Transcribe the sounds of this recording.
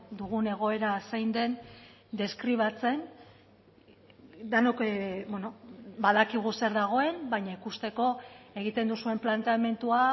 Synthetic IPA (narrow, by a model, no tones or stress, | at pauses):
d̪uɣ̞une̞ɣ̞o̞e̞ɾasajnd̪e̞n | d̪e̞skɾiβ̞at͡se̞n | d̪anokbwenobaðakiɣ̞use̞ɾðaɣ̞o̞e̞mbaɲaikust̪e̞ko̞e̞ɣ̞it̪e̞nd̪usue̞mplant̪eame̞nt̪ua